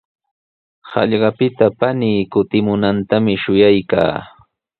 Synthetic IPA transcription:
hɑ̰ʎɢɑpɪt̪apaniːkʊt̪ɪmʊnant̪amɪʃʊjajka̰ː

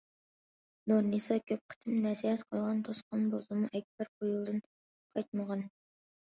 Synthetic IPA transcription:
noɾnisɑkʲʰøp̚qʰə̥t̪ʰɨmnɛsihɛt̪qʰəlˠʁɑnt̪ʰosqɑnbozɨmuʔɛk̚ʲbɛɾqʰojulˠd̪ɨn | qʰɑjt̪̚məʁɑn

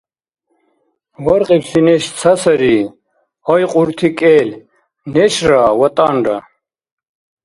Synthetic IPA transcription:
wɐɾqipsineɕt͡sʰɐsɐɾi | ɔjqʼuɾt̪ʰikʼeːl | neɕɾawɐt̪ʼaːɳɖɐ̰

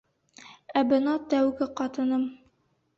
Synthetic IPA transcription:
æbɘ̆nɑt̪æwɡɘqɒt̪ɤ̆nɤm

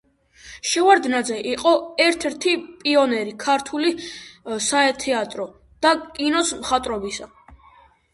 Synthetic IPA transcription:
ʃɛvaɾd̪nad̪zɛʔiqʼɔɛɾt̪ʰɛɾt̪ʰipʼiɔnɛɾikʰaɾt̪ʰuli | saɛt̪ʰɛat̪ʼɾɔ | d̪̥akʼinɔsmχat̪ʼɾɔbisa

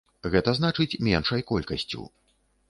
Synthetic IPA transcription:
ɣɛt̪ɐznat͡ʂɨt͡sʲmʲɛnʂɐjkɔlʲkɐsʲt͡sʲṵ

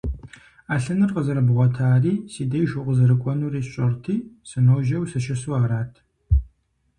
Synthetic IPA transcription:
aːɬɨnɨrqəzɨɾɐbʁʷɔtʰaːriːsiːdejʒʊqʷʊzɨrɨkʷʼɔnuːriːɕʼɐrtʰiːsɨnoːʒɐwsɐʃɐsuaːɾaːtʰ

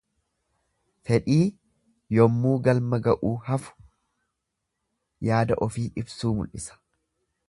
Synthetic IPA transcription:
fɛᶑiː | jɔmːuːɡɐlmɐɡɐʔuːhɐfʊ̥ | jaːd̪ɐʔɔfiːʔɪbsuːmʊ̰lʔɪsɐ̥

